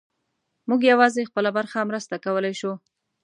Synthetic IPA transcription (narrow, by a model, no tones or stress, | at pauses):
muɡjawɑzexpəlabaɾxamɾəst̪akawəlajʃu